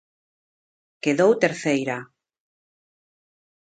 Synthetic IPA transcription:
keðowt̪eɾθejɾa

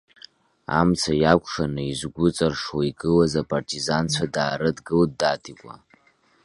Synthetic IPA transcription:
a̰mt͡sʰajakʷʰʼʂanɨizɡʷʊt͡sʼarʂwaiɡʼɨlazapʼartʰʼizant͡sʷʰadaːɾɨdɡɨldaːtʰikʷʼa̰

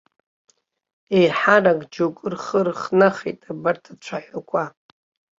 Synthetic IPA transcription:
ejħaraɡʼd͡ʒokʷʼɨrχərχnaχḛtʼabartʰat͡ʃʷʰaħʷakʷʰʼa

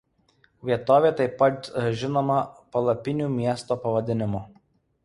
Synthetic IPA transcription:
ʋʲiɛt̪oːʋʲeːt̪ɐɪpːɐt̪ʒʲɪnoːmɐpɐlˠɐpʲɪnʲuːmʲiɛst̪oːpɐʋɐd̪ʲɪnʲɪmʊ

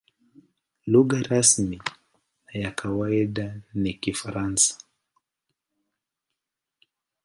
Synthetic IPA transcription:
luɣaɾasmi | njakʰawaiɗanikifaɾansḁ

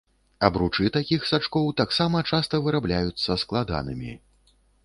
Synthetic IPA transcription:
ɐbɾut͡ʂɨt̪akʲixsat͡ʂkɔwt̪aksamɐt͡ʂast̪ɐvɨɾablʲajut̪sːɐsklˠad̪a̰nɨmʲi

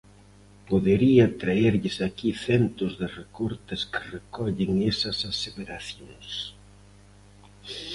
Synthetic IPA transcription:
poðeɾiɐt̪ɾaeɾʎɪsakiθɛnt̪ʊzðɪrekoɾt̪ɪskɪ̥rekɔʎɪŋesɐsaseβeɾaθjoŋs

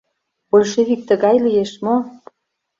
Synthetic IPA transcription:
olʲʃeβik̚t̪ə̆ɣɑjlijeʃmo

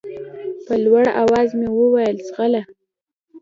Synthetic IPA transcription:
pəlwaɽawɑzmewəwajəlsɣala

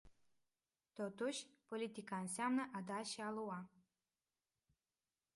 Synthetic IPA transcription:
t̪ot̪uɕpolʲit̪ʲikansʲamnəʔad̪aɕealuwɑ

